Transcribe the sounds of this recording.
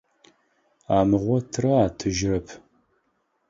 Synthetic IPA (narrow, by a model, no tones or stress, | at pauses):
aːmɨʁʷɔtʰɨrɐaːtʰɨʒɪrɐpʰ